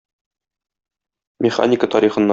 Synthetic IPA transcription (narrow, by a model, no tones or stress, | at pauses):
mʲɪχa̰nʲɪkət̪ɒɾiχɤ̆nːɑ